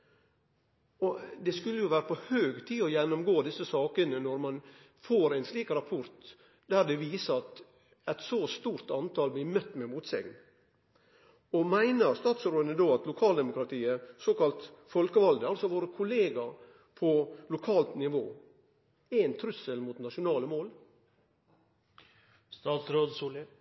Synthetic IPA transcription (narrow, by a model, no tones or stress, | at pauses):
ɔd̪ɛskʉlːəjʊʋæːɾəpɔhøːɡt̪ʰiːɔjɛnːɔmɡoːd̪ɪsːəsɑːkənənɔɾmɑn | foːɾæɪnsliːkɾɑpʰʊɾt̪ | d̪æɾd̪ɛʋiːsəɾɑt̪ | ɛt̪sost̪uːɾt̪ɑnt̪ʰɑlblɪmœt̪ːmɛmuːt̪sɛ̰ɡ̪ | ɔmæɪnəɾst̪ɑːt̪sɾoːd̪ənəd̪oːɑt̪lʊkʰɑːld̪ɛmʊkɾɑt̪ʰiːəsoːkɑlt̪fɔlkəʋɑld̪əɑlsɔʋoːɾəkʰʊleːɡɑ | pʰɔlʊkʰɑːlt̪nɪʋoː | ænt̪ʰɾʉsəlmuːt̪nɑʂʊnɑːləmoːl | st̪ɑːt̪sɾoːd̪suːlə